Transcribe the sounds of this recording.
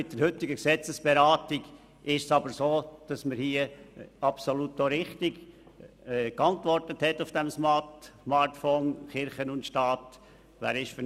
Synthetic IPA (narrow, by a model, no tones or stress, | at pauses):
mɪt̚d̥əɾhʏt̪ːɪɡəksɛt͡səsb̥ɛɾaːtɪɡ | ʔɪʃsɑbəɾsoːd̥ɑsməɾhiːəɑpsolutnoɾɪχt̪ɪɡ | kɑntvɔrtəthɛtːʊfd̥ɛmsmɑtmɑɾtfɔːnχɪɾχənʊntʃtɑːt | ʋæ̰ːɾɪʃfə